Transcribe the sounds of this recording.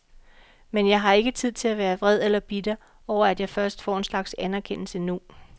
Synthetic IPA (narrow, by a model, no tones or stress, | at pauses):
menjɑ̈ɪɦɑ̈e̝ɡ̥ət͡sʰið̰ˠt͡sʰe̝læʋæːɐʋʁɛð̰ˠelɐb̥id̥ə | ɒʊɐæd̥jɑ̈ɪfɶɐsd̥fɒ̰ːe̝nslɑ̈ɡ̥sænæɐkʰen̰l̩sənu